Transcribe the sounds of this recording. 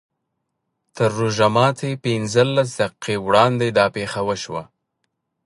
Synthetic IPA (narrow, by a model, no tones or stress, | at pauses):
t̪əɾːuʒamɑt̪ʰepɪnzəlːas̬d̪aqiqewɽɑnd̪ed̪ɑpexawəʃwa̰